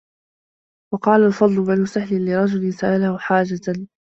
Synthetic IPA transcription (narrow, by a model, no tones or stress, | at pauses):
wɑqɑːlalfɑd̪ˤlʊbanʊsahlɪlɪɾˤɑd͡ʒʊlɪnsaʔalahʊħaːd͡ʒat̪an